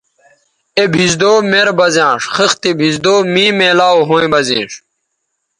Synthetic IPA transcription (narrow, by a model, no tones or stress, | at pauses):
ebʱizd̪oːmeɾbɐzjãːʂxɐxt̪ibʱizd̪oːmĩːmeːlaːoɦõːĩbɐzḭ̃ːʂ